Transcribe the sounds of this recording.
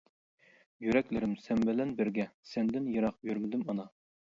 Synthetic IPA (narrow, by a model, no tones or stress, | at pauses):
jyɾɛkʲlɪɾɪmsɛmbɪlɛnbɪɾɡʲɛsɛnd̪ɪnjɑɾɑqjyɾmɪd̪ɪmɑnɑ